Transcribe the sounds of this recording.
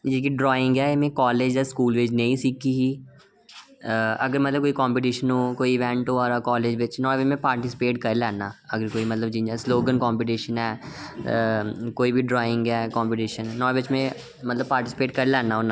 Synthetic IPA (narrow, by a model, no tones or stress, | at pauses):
d͡ʒɪk̬iɖɾɔːɪ̃ŋɡɛːɪmẽkɔːleːd͡ʒd̪askuːlʋeːd͡ʒnɐ̃ĩsiːkʰiɦiː | ɐɡəɾmɐt̪ləb̚koːikɔ̃ːmpɪʈ̬iːʃənɦoːkoːiɪʋɛ̃ɳʈɦoːɔːɾakɔːleːd͡ʒʋɪt͡ʃnɔ̃ːʋɪt͡ʃmẽpaːɾʈɪsɪ̥peːʈkɐɾlɛːnaːɐɡəɾkoːimɐt̪ləbd͡ʒĩd͡ʒasloːɡənkɔːmpɪʈ̬iːʃənɦɛː | koːibʱiɖɾɔːɪ̃ŋɡɛːkɔ̃ːmpɪʈiːʃənːɔːʋɪt͡ʃmẽ | mɐt̪ləb̚paːɾʈɪsɪ̥peːʈkɐɾlɛːnaɦonãː